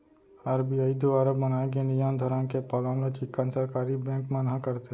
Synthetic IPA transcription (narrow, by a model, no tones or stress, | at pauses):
aːɾbiaːid̪uaːɾəbbənaːekenijand̪ʱɔɾənkepɔːlãlet͡ʃɪkːansəɾkaːɾibɛ̃ːŋkmənɦãkəɾt̪e